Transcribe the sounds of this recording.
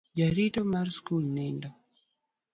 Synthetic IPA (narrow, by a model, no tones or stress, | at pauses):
d͡ʒaɾitɔmaɾskulnɛndɔ